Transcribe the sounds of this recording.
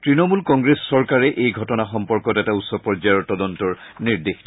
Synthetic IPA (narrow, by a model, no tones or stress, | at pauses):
tɹinɔmulkɔŋɡɹesːɔɹkaɹɛʔejɡʱɔtɔnaxɔmpɔɹkɔtɛtautsɔpɔɹd͡ʒajɔɹtɔdɔntɔɹniɹdex